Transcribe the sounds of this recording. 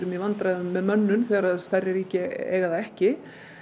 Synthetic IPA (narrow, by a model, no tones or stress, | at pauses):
ɾʏmjɛvant̪ɾaðʏmːɛðmœnːʏnθɛːɣaɾaðst̪ajrːɪɾiːcɪḛːɣaðaɛhcɪ